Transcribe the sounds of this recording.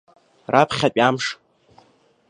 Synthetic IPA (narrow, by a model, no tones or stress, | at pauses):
rapʰχʲapʼamʂ